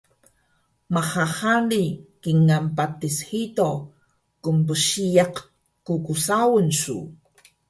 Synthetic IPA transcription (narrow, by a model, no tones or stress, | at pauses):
maχahalikiŋampatishito | kumpəɕijaq | kukusawənsṵ